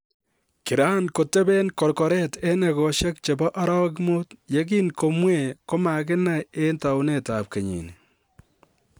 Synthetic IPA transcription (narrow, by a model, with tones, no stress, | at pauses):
kɪ˨ɾa˦nko˨tɛ˦bɛ˦nkɔ˨ɾkɔ˨ɾɛ˦tɛ˦nɛ˨kɔ˨ʃɛ˦kt͡ʃe˨bɔ˦ʔa˦ɾɔ˦wk̬mu˦tje˨k̬i˦nko˨mwe˨ko˦ma˨kɪ˦na˦je˦nta˨ʊ˦ne˨ta˨p̚ke˨ɲḭ˨ni